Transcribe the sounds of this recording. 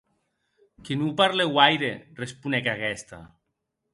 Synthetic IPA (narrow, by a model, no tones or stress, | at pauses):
kinupaɾlewajɾerespunɛkaɣɛst̪a̰